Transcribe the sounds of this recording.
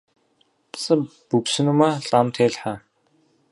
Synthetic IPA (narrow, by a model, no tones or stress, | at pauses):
pʰsə̆puksɘ̆numaɮʼamt̪ʰeːɮħaː